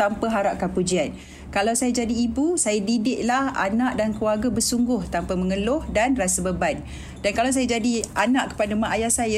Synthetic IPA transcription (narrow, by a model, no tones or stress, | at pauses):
ampaɦaɾaʔ̚kanpud͡ʒian | kalawsajad͡ʒadiːbusajadidɪʔlaha̰naʔdankluarɡabəsuŋɡʊht̪ampaməŋəlʊhdanrasabəban | dankalaws̬ajad͡ʒadianãʔkə̥padamaʔajahsaja